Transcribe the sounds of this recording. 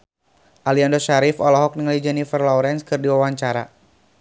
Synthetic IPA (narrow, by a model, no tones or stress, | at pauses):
ʔaliandɔʃaɾɪfɔlɔɦɔk̚niŋalid͡ʒanifərlɔɾɛnskɨrdiwawaɲt͡ʃaɾa